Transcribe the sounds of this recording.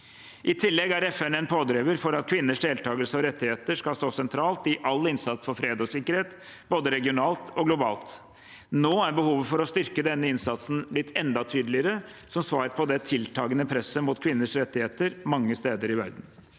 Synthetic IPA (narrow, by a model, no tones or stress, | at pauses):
ʔɪt̪ʰɪlːɛɡæɾɛfɛnɛnpʰoːd̪ɾeːʋəɾfɔɾɑt̪̚kʰʋɪnːəʂd̪eːlt̪ʰɑːɡəlsəɔɾɛt̪ːɪheːt̪əʂkɑlst̪oːsɛnt̪ʰɾɑːlt̪ɪʔɑlːɪnsɑt̪sfɔɾfɾeːd̪ɔsɪkːəɾheːt̪ | boːd̪əɾɛɡɪʊnɑːlt̪ʰɔɡlʊbɑ̰ːlt̪ | noːæɾbəhuːʋəfɔɾɔst̪ʏɾkəd̪ɛnːəɪnsɑt̪sn̩blɪt̪ʰːɛnd̪ɑt̪ʰyːd̪əlɪəɾəsɔmsʋɑːɾpʰɔd̪ɛt̪ʰɪlt̪ʰɑːɡənəpʰɾɛsːəmʊt̪kʰʋɪnːəʂɾɛt̪ːɪheːt̪əɾmɑŋːəst̪eːd̪əɾɪʋæ̰ɾd̪n̩